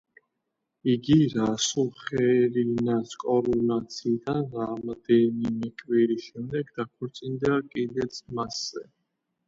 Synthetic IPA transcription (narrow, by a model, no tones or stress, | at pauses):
iɡiɾasulˠχɛɾinaskʼɔɾɔnat̪sʰiːd̪anɾamd̪ɛnimɛkʼwiɾiʃɛmd̪ɛɡd̪apʰɔɾt̪sʼind̪akʼid̪ɛt̪sʰmasːɛ